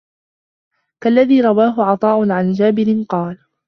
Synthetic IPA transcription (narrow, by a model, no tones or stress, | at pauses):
kalːaðiːɾˤɑwaːɦʊʕɑt̪ˤɑːʔʊnʕand͡ʒaːbɪɾɪnqɑːl